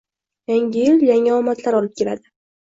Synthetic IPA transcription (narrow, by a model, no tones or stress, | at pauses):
jaŋʲɪjɪljaŋaɒmat̪ʰlaɾɒlɪp̚kʲʰe̞la̰d̪ɪ